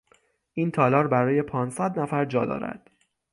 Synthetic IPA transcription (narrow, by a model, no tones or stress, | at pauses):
ʔiːnt̪ʰɒːlɒːɾbæɾɒːje̞pʰɒːnsæd̪næfæɾd͡ʒɒːd̪ɒ̰ːɾæ̰d̪̥